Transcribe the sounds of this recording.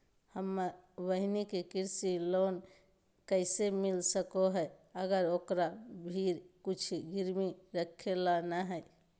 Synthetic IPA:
həmːəɾʋəɦinikekiɾsilon | kəɪsemilsəkoɦəəɡəɾokɾabʱiɾkut͡ʃʰɡiɾmiɾəkʰelanəɦɛ

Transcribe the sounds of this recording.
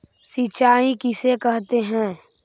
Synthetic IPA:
sit͡ʃaːikɪsekɛɦt̪eɦɛ̃ː

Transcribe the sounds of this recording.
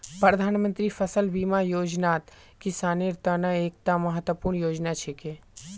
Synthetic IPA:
pɾɐd̪ʱaːnmə̃nt̪ɾifɐsəlbiːmajoːd͡ʒnaːt̪kisaːniɾt̪ənəeːk̚t̪amɐɦət̪wəpuːɾnjoːd͡ʒnat͡ʃʰekeː

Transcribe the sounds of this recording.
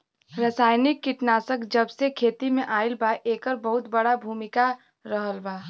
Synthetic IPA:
ɾəsaːjnɪkːɪʈnaːsəkd͡ʒəbsekʰeːt̪imẽʔaːɪlbaʔeːkəɾbəɦʊt̪bəɽabʱuːmɪka | ɾəɦəlba

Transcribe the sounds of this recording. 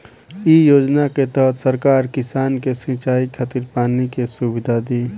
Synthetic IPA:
ijoːd͡ʒnaket̪əɦət̪ʰsəɾkaːɾkɪsaːnkesĩt͡ʃaːikʰət̪iɾpaːnikesubid̪ʱad̪iː

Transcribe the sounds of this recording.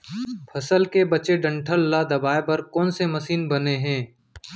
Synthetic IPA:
pʰɐsəlkebɐt͡ʃeɖɐ̃ɳʈʰəlːad̪ɐbaːepɐɾkɔːnsemɐsiːnbɐneɦɛ̃ː

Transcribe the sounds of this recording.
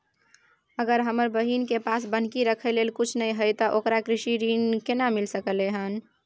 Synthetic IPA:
əɡəɾɦəməɾbəɦinkepasbən̤kiɾəkʰɛlelkut͡ʃʰnəjɦəjt̪ɔʔokɾakɾiʃiɾinkenamilsəkəleɦən

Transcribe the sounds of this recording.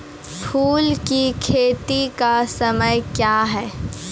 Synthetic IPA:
pʰuːlkikʰeːt̪ikasɐməjkjaːɦɛː

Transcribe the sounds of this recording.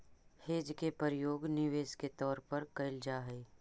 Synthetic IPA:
heːd͡ʒkepəɾjoːɡnɪʋeːsket̪ɔːɾpɐɾkɐɪld͡ʒaːɦɛː

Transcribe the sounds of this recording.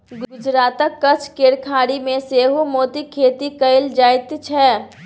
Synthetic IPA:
ɡɡʊd͡ʒɾaːt̪əkːɐt͡ʃʰkeːɽkʰaːɽimẽseːɦomoːt̪ikʰeːt̪ikɐɪld͡ʒaːɪt̪t͡ʃʰɛː

